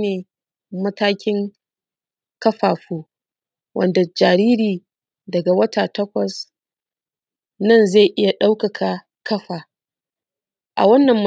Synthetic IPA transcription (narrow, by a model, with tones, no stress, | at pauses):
neː˨ | mɐ˦taː˦kʲɪ˦ŋ | kɐ˦ɸaː˨ɸoː˦ | wʔɐ̰˨nda˨d͡ʒaː˨ɾiː˦ɾiː˨ | dɐ˨ɡa˨wɐ˦tʰaː˨tɐ˦kʷɐ˨s | nɐ˦˨nza˦˨jʔɪ˦ja˨ɗa˦wkɐ˨kʰa˨ | kɐ˦ɸaː˨ | ʔa̰˨wɐ˦nːɐ˨mː˦